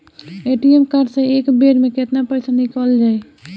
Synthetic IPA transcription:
eːʈiemkəɾɖsẽekbeɾmẽket̪napəɪsanɪkəld͡ʒaːe

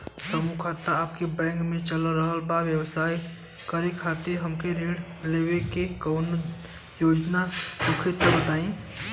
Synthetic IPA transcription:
səmukʰat̪ːaaːp̚kebɛ̃ːŋkmẽt͡ʃəlɾəɦəlbaʋjəwsaːi | kəɾekʰaːt̪eɾɦəmkeɾeɽ | lewekekoːn | joːd͡ʒnasʊkʰɪt̪əbət̪aːĩ

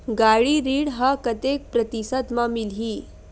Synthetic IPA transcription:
ɡaɭiɾiːɽɦakət̪ek̚pɾət̪isəd̪mamilɦiː

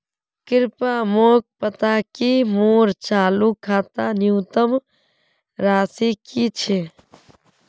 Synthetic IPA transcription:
kɪɾpamoːk̚pət̪akimoːɾt͡ʃaːlukʰaːt̪anjuːt̪əm | ɾaːsikit͡ʃʰe

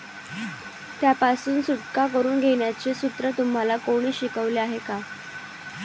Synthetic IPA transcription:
t̪japasuːnsuʈkakəɾuːnɡʱeɳ̃jat͡sesut̪ɾət̪um̤alakoɽ̃iːɕikəʋleaɦeka

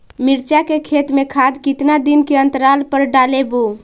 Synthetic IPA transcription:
miɾt͡ʃakekʰet̪mekʰad̪kit̪nad̪inkeənt̪əɾalpəɾɖalebo

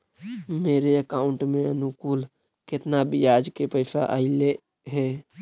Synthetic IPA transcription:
meːɾeəkaːʊ̃ɳʈmẽənʊkuːl | kɪt̪nabɪjaːd͡ʒkepəɪsaʔa̰ɪle | ɦɛː

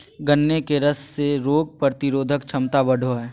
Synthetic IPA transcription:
ɡənːekeɾəsːeɾoːɡ̚pɾt̪ɪɾoːd̪ʱəkt͡ʃʰɐmt̪abɐɽʱoɦɛː

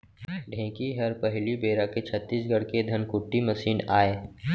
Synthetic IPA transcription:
ɖʱẽːkiɦɐɾpɐɦlibeːɾaket͡ʃʰət̪ːiːsɡʱəɽked̪ʱənkʊʈːimɐsiːnaːeː

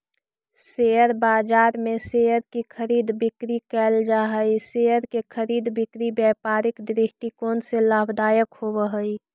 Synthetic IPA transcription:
sejəɾbaːd͡ʒaːɾmẽsejəɾkikʰəɾiːd̪bɪkɾikɛːld͡ʒaːɦəisejəɾkekʰəɾiːd̪bɪkɾibjɛːpaːɾɪkd̪ɾɪʃʈ̪ikoːnselaːbʱd̪aːjəkhobəɦəi

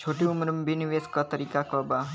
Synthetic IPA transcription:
t͡ʃʰoʈiumɾəmbiniʋeskɔt̪əɾikakɔba

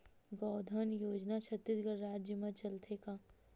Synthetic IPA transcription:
ɡɔːd̪ʱənjoːd͡ʒnat͡ʃʰɐt̪ːisɡəɾɾaːd͡ʒjəmãt͡ʃɐlt̪ʰekaː

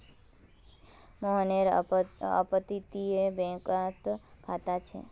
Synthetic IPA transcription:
mɔɦəneɾə̰pət̪it̪iebɛ̃kat̪kʰat̪at͡ʃʰḛ

